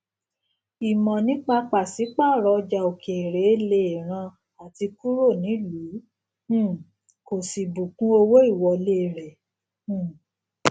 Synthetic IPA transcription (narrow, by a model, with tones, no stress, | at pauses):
i˨mɔ̃˨nĩ˨˦k͡pa˧k͡pa˨si˨˦k͡pa˦˨ɾɔ˧d͡ʒa˧o˨ke˨ɾe˨˦le˧˨e˨ɾ̃ã˧ | a˨ti˧ku˦ɾo˦˨nĩ˨˦lũ˨˦˨ | ko˨si˨bu˨kũ˧˦o˧wo˦i˦˨wɔ˨˧le˦˨ɾɛ̃˨˦˨